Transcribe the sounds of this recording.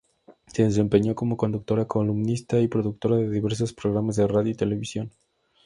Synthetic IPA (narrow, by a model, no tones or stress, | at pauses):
se̞ðes̬e̞mpe̞ɲo̞ko̞mo̞ko̞nd̪uk̚t̪o̞ɾako̞lumnist̪aipɾo̞ðuk̚t̪o̞ɾaðeðiβe̞ɾs̬o̞spɾoɣɾamazðe̞raðjoit̪e̞le̞βisjo̞n